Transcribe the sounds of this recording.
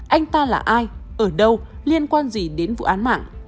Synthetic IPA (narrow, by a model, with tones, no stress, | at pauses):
ʔa˧jŋ̟t̪aː˧la̰ː˨˩ʔaː˧jʔəː˧˩ɗə˧wli˧ənkwaː˧nzi˨˩ɗe˨˦nvṵ˧˨ʔaː˨˦nma̰ː˧˨ŋ